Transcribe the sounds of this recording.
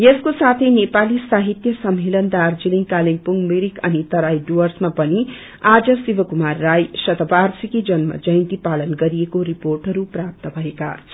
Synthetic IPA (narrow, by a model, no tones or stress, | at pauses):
jeskosat̪ʰʌjnepalisaɦit̪jʌsʌmːelʌnd̪ard͡ziliŋkaliŋpuŋɡmiɾikʌ̰nit̪ʌɾajɖuwʌrsmapʌni | ad͡zʌsibʌkumarːajsʌt̪ʌbarsikid͡zʌnmʌ̰d͡zʌjnt̪ipalʌnɡʌɾiekoɾiporʈʌɾuprap̚t̪ʌbʱʌeka̰